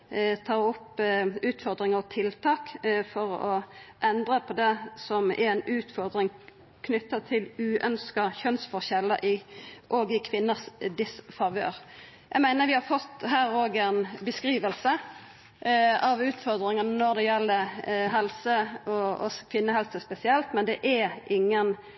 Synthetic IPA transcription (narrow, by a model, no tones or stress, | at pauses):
t̪ʰɑːʁʊpːʉːt̪fɔʁd̪ɾɪŋəʁɔt̪ʰɪlt̪ʰɑːkfɔʁɔʔɛnd̪ʁəpʰɔd̪ɛsɔmʔɛ̰ɛnʉːt̪fɔʁd̪ɾɪŋ | kʰnʏt̪ːət̪ʰɪlʉːʔœnskɑçœnsfɔʁçɛlːəʔɪʔɔɡɪkʰʋɪnːəsd̪ɪsfɑʋø̰ːɾ | jæɪmæɪnəɾʋɪhɑɾfɔt̪ːɦæːɾoːɡɛnbəskɾiːʋəlsə | ɑʋʉːt̪fɔʁd̪ɾɪŋənənɔʁd̪ɛjɛlːəɦɛlsəɔɔ̰skʰʋɪnːəhɛlsəspɛsɪɛlt̪mɛnd̪ɛʔɛʔɪŋːən